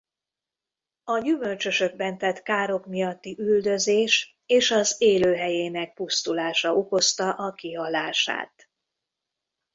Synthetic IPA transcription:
ɒɟymø̞lt͡ʃø̞ʃøɡ̚bɛnt̪ɛt̪kaːɾo̞kmijɒt̪ːiʔyld̪ø̞zeːʃ | eːʃɒzeːløːɦɛjeːnɛk̚pust̪ulaːʃɒoko̞st̪ɒʔɒkiɦɒlaːʃa̰ːt̪

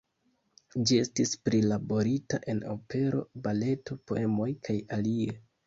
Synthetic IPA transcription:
d͡ʒie̞stispɾilabo̞ɾita̰ʔe̞no̞pe̞ɾo̞̰bale̞to̞po̞̰e̞mo̞jkʰajalie̞

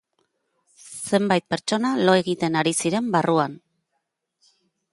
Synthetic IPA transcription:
se̞mbajt̪̚pe̞ɾt͡ʃo̞nalo̞e̞ɣit̪e̞naɾisiɾe̞mbaruan

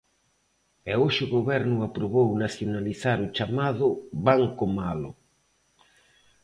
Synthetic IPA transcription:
ɛoʃʊɣoβɛɾnʊapɾoβownaθjonaliθaɾʊt͡ʃamaðʊβaŋkomalʊ̰

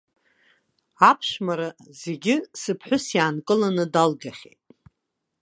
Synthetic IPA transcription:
apʰʂmaɾaze̞ɡʲɪsɨpʰħʷᶣʊsjaːnkʼɨlanɨdalɡaχʲḛjtʼ

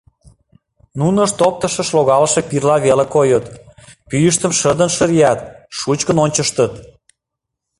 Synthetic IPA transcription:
nunə̆ʃt̪op̚t̪əʃə̆ʃloɣɑləʃepirlɑβelekojət̪pyjəʃt̪əmʃəd̪ənʃəɾijɑt̪ʃut͡ɕkənonʲt͡ɕəʃt̪ət̪

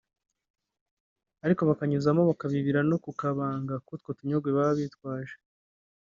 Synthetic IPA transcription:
aɾiko̞βakaɲuzamo̞βakaβiβiɾano̞kukaβaːŋɡakutko̞tuɲoɡweβaβitkwaːʒe̥

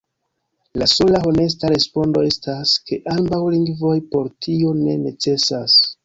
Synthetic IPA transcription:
laso̞laɦone̞s̬taɾe̞spo̞ndo̞e̞staske̞ʔambawliŋɡvo̞jpo̞ɾtio̞ne̞̰ne̞t͡se̞sas

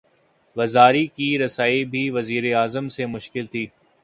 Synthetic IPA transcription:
ʋɐzaːɾikiɾɐsaːibʱiʋɐziːɾeaːzəmsemʊʃkɪlt̪ʰiː

